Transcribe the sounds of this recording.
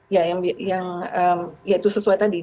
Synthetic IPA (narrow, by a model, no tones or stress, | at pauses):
jajaŋbijaŋəmjait̪usəsuajt̪adi